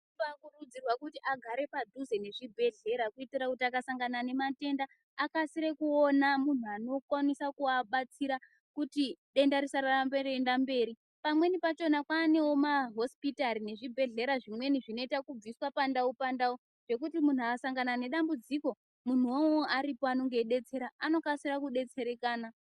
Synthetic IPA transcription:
akurud͡zirwakutiʔaɡʱaɾe̞padʱuze̞ne̞ʐibʱe̞ɮe̞ɾakuitirakutiakasaŋɡanane̞mate̞ndaː | kasiɾe̞kuonamun̤uano̞kwanisakuaɓat͡siɾa | kutiɗe̞ndaɾisaɾarmberendambe̞ːɾi | pamwe̞nipat͡ʃo̞nakwaːnewo̞maɦo̞spitaɾine̞ʐibʱe̞ɮe̞ɾaʐimwe̞niʐino̞itakub͡viswapandaupandau | ʐ̥e̞k̬utimun̤uakasaŋɡanane̞ɗambud͡ziko̞ | mun̤uwooaɾipoano̞ŋɡe̞ɗe̞t͡se̞ɾaano̞kasiɾakuɗe̞t͡se̞ɾe̞kaːna

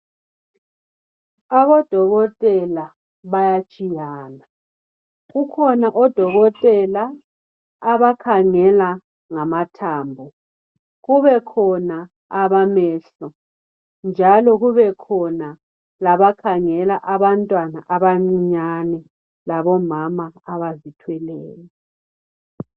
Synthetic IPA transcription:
aβɔd̥ʱɔɣɔtʼɛla | βajat͡ʃʼijaːna | ɣukʰɔnaʔɔd̥ʱɔɣɔtʼɛlaː | βakʰaŋɛla | ŋamatʰaːmbʱɔ | ɣuβɛkʰɔna | aβamɛːɬɔ | nd͡ʒʱalɔɣuβɛkʰɔna | laβakʰaŋɛlaʔaβantʼwanaʔaβaŋ͡ǀiɲanɛ | laβɔmamaaβazitʰwɛlɛːlɛ

